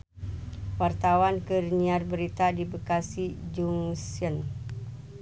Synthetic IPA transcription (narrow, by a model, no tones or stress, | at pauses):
wart̪awankərniarbəɾit̪adibəkasid͡ʒuŋsən